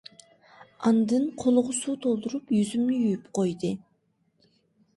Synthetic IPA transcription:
ɑnd̪ɯɴqʰolˠʁusut̪ʰo̞lˠd̪uɾupjyzymnyyjypqo̞jd̪ɨ

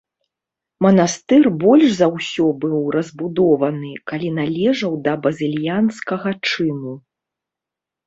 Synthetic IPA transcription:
mɐnast̪ɛrbɔlʲʂzɐwsʲɔbɨwrɐzbud̪ɔvɐnɨkalʲinalʲɛʐɐwd̪ɐbɐzʲilʲjanskɐɣɐt͡ʂɨmu

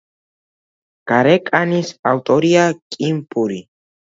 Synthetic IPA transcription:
kaɾekʼanisawt̪ʼoɾiakʼimpʼuɾi

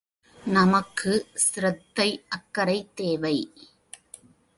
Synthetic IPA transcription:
nɐmɐkʰːɯsɪɾɐt̪ːɐɪʔɐkːɐɾɐɪt̪ːeːʋɐɪ

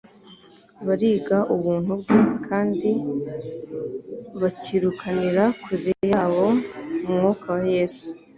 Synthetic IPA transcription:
βaɾiːɡaʔuβuːn̥hubɡekʰaːndi | βaciɾukʰaniɾakiɾejaːβo̞mumŋoːkawaje̞ːsu̥

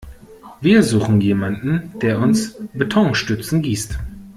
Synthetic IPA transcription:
viːɐzuːχn̩jeːmandn̩d̥eːɐʊnsbetʰɔŋʃtʏt͡sn̩ɡiːst

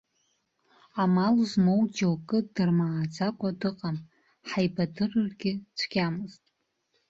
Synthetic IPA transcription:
amaluzmowd͡ʒawkʼɨdɨrmaʕad͡zakʷʼadɨqʼam | ħajbadɨrɨrɡʲɪt͡sʷʰɡʲamɨztʼ

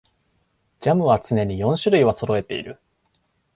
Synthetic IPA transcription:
d͡ʑamɯ̟βat͡sɨne̞ɲ̟ijõ̞ɰ̃ɕɨɾɯ̟iβat͡so̞ɾo̞e̞t̪e̞ḭɾɯ̟

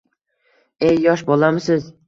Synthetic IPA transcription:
ejːɒʃbolˠamɪsɪz

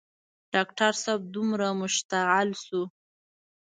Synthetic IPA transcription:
ɖ̥ɑkʈaɾsab̚d̪umɾamʊʃt̪aʕalsu

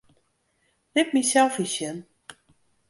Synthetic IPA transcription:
nɪp̚misɛlˠfisjən

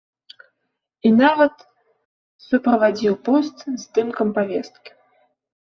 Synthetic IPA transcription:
inavɐt̪ | supɾɐvad͡zʲiwpɔst̪zd̪ɨmkɐmpavʲɛst̪̚kʲi̥

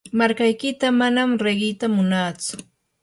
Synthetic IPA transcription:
maɾkajkɪt̪amanamɾeɢɪt̪amʊnaːt͡sʊ̥

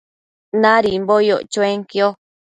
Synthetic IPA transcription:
nãɾimbojot͡ʃoeŋkio

